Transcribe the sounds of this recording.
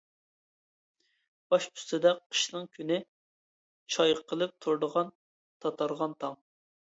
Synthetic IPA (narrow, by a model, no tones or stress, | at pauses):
b̥ɑʃpʰy̥st̪ɨd̪ɛqʰːə̥ʃnɨŋkʲʰynɪ | t͡ʃʰɑjqʰːəlˠɨp̚t̪ʰuɾd̪əʁɑn | t̪ʰɑt̪ʰɑɾʁɑnt̪ʰɑŋ